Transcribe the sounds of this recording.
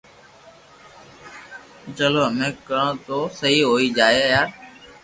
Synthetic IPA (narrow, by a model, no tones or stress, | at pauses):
t͡ʃəloːɦəmẽːkəɳõt̪oːsəɦiːɦoːiːd͡ʒaːeːjaːɾ